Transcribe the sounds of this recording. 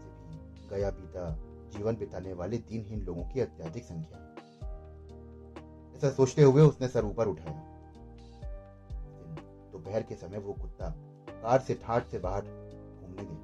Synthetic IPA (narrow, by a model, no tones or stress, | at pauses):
sebʱi | ɡɐjapiːt̪a | d͡ʒiːʋənbɪt̪aːneʋaːled̪iːnɦɪnloːɡõkiɐt̪jaːd̪ʱɪksɐ̃ŋkʰjaɦ | ɛːsasoːt͡ʃt̪eɦʊeʊsnesɐɾuːpəɾʊʈʰaːjaː | ɪn | t̪obɛɦɛɾkesɐməjʋokʊt̪ːa | kaːɾseʈʰãːʈʰsebaːɦəɾ | bʰʱũːmneɡ̪eː